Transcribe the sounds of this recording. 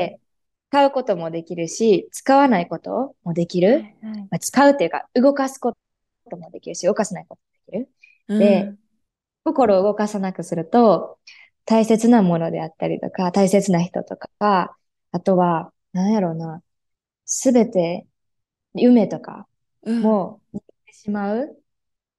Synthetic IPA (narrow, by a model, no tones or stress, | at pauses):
t͡sɨ̥kaɯ̟ko̞t̪o̞mo̞d̪e̞kʲiɾɯ̟ɕit͡sɨ̥kaβanaiko̞t̪o̞̰mo̞d̪e̞kʲiɾɯ̟mat͡sɨ̥kaɯ̟t̪ːejɯ̟ka̰ɯ̟ɡo̞kasɨ̥ko̞ | t̪o̞mo̞d̪e̞kʲiɾɯ̟ɕio̞kasanai̥ko̞t̪o̞mod̪e̞kʲiɾɯ̟ | d̪e̞ | ko̞ko̞ɾo̞ːɯ̟ɡo̞kasanakɯ̟sɨɾɯ̟t̪o̞ | t̪aise̞t͡sɨnamo̞no̞d̪e̞̰at̪ːaɾʲḭt̪o̞̰kat̪aise̞t͡sɨnaçi̥t̪o̞̰t̪o̞kaaː | t̪o̞βa | nãɰ̃jaɾo̞ːna | sɨbe̞t̪e̞ | jɯ̟me̞t̪o̞ka̰ | mo̞ | t̪ːeɕimaɯ̟